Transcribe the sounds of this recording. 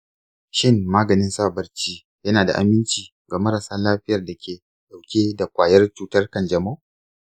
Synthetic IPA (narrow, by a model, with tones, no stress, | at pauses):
ʃɪ˦ŋːaː˦ɡɐ˨nɪ˦nsaː˦˨bɐ˦rt͡ʃiː˦ | jɐ˦naː˨da˨ʔa̰˨mɪ˦nt͡ʃiː˨ | ɡaː˨mɐ˦ɾa˨saː˦laː˦ɸɪ˦jɐ˨rda˨kʲʰeː˨ | ɗa˨wkʲeː˦da˨kʷaː˨jɐ˦rt͡ʃuː˦tɐ˦rkɐ˨nd͡ʒɐ˨mo˦˨